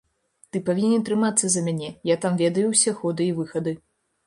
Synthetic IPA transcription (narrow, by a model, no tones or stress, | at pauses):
t̪ɨpavʲinʲɛnt̪ɾɨmat̪sːɐzɐmʲanʲɛjat̪amvʲɛd̪ɐjuwsʲɛxɔd̪ɨivɨxɐd̪ɨ